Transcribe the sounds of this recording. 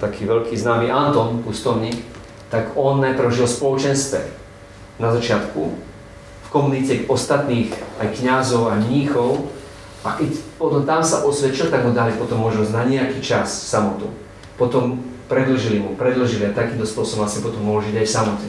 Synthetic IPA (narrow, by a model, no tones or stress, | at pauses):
t̪akʰiːʋɛʎkiːznaːmiʔant̪ɔnkust̪ɔʊɲiːk | t̪aɡɔnːajpɾ̩ʊʒilspɔlɔt͡ʃɛnst̪ʋɛ̰ | nazat͡ʃɪat̪ku | fkɔmunicɛkɔst̪at̪niːxajkɲazɔʊaɲɲixɔʊ | ʔakɛcpɔt̪ɔmt̪amsaʔɔsʋɛt͡ʃilt̪aɡmud̪alipɔt̪ɔmːɔʒnɔznaɲɛakiːt͡ʃassamɔt̪ṵ | pɔt̪ɔmpɾɛd̪l̩ʒilimupɾɛd̪l̩ʒilɪat̪akiːnt̪ɔspʊɔsɔbɔmasɛpɔt̪ɔmːɔɦlʒiɟajfsamɔcɛ